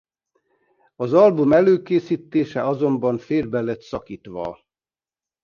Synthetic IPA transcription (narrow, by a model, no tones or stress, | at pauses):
ɒzɒlbumɛløːkeːsiːt̪ːeːʃɛɒzo̞mbɒɱfeːrbɛlɛt̪sɒkiːt̪ʋɒ̰